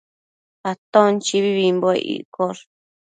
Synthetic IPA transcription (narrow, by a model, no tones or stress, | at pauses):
at̪õnt͡ʃiβiβimboḛʔḭkoɾ